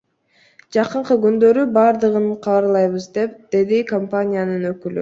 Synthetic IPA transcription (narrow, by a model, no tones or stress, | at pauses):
d͡ʒɑqɯɴqɯɡynd̪ø̞ɾybɑɾd̪ɯʁɯɴqʰɑβɑɾlˠɑjβɯzd̪e̞p̚d̪̥e̞d̪ikompanʲijanɯnø̞kyly̰